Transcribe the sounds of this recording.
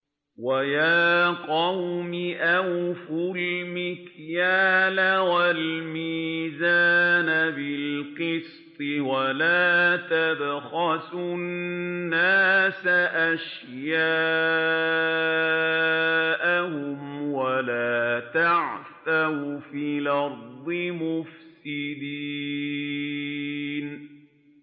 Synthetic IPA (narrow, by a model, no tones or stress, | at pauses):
wajaːqɑwmɪʔawfʊlmɪkjaːlawalmiːzaːnabɪlqɨs | t̪ˤɨwalaːt̪abxɑsʊnnnnːaːsaʔaʃ | jaː | ʔahʊmwalaːt̪aʕθawfiːlɑɾd̪ˤɨmʊfsɪd̪i | n